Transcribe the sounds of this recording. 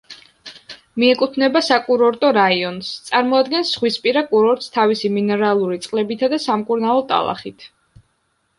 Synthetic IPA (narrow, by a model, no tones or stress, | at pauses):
miɛkʼut̪ʰnɛbasakʼuɾɔɾt̪ʼɔɾaiɔnst̪sʼaɾmɔad̪ɡɛnsχwispʼiɾakʼuɾɔɾt̪ʼst̪ʰavisiminɛɾalˠuɾit̪sʼqʼlɛbit̪ʰad̪asamkʼuɾnalˠɔt̪ʼa̰lˠa̰χit̪ʰ